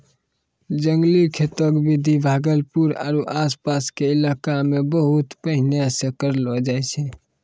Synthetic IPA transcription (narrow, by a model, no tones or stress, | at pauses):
d͡ʒəŋɡlikʰet̪ɔkbid̪ʱibʱaɡəlpuɾa̰ɾuʔaspaskeilakamebəɦut̪pəɦineəsəkəɾlɔd͡ʒajt͡ʃʰɛ